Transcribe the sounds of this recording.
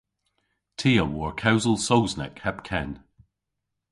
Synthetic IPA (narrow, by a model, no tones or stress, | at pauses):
tʰiːəwɔɹkʰawzəlˠsowznɛ̰khɛpkʰɛ̃n